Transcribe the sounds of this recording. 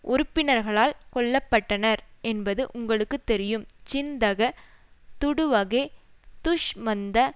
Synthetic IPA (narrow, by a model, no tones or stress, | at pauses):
ʔʊɾʊpːɪnɐɾɣɐɭaːlkɔɭːɐpːɐʈːɐnɐɾɛnbɐðɯʔʊŋɡɐɭɯkːɯt̪ːɛɾɪjɯmt͡ʃɪnd̪ɐɣɐ | t̪ʊɽɯʋɐɣeːt̪ʊʂmɐnd̪ɐ